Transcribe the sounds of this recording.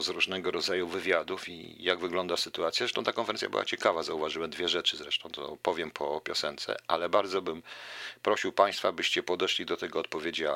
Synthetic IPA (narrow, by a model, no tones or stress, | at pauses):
zɾuʐnɛɡɔɾɔd̪zajuvɘvʲjad̪ufḭjaɡvɘɡlɔnd̪asɘt̪uat̪sʲjazɛʂt̪ɔ̃wt̪akɔnfɛɾɛnsjabɘ̰wa̰t͡ɕɛkavazauvaʐɘwɛmd̪vʲjɛʐɛt͡ʂɘzɾɛʂt̪ɔ̃w̃t̪ɔ̰pɔvʲjɛmpʰɔpʲjɔsɛnt̪sɛ̰ʔalɛbaɾd̪zɔbɘmpɾɔɕiwpaj̃st̪fabɘɕt͡ɕɛpɔd̪ɛʂlʲid̪ɔt̪ɛɡɔːt̪̚pɔvʲjed͡ʑa